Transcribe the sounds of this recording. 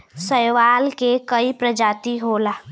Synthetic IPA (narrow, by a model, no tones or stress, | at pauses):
səjʋaːlkekəipɾəd͡ʒaːt̪iɦoːlaː